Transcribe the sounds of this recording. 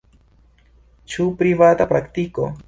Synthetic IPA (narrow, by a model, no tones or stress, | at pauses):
t͡ʃupɾɪβat̪apɾakt̪iko̰